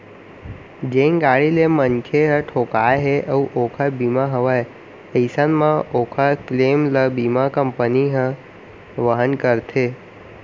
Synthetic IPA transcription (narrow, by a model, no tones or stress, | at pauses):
d͡ʒẽŋɡaɽilemənkʰeɦə̃ʈʰokajɦeʔəũʔokʰabimaɦəʋaj | əjsanmãokʰaklemləbimakəmpəniɦə̃ | ʋəɦənkəɾt̪ʰe